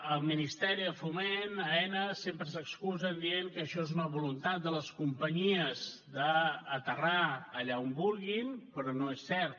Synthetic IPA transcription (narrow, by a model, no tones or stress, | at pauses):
əlˠminist̪ɛɾiðəfumenəɛnəsempɾəsəkskuzənd̪ienkəʃɔezunəβulunt̪at̪̚d̪ələskumpəɲiəzd̪əːt̪əraəʎaombulˠɣinpɾɔnoesːɛɾt̪